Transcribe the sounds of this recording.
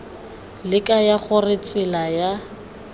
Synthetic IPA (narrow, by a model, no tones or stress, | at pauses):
lɪkʼajaχʊrɪt͡sʼɪlaja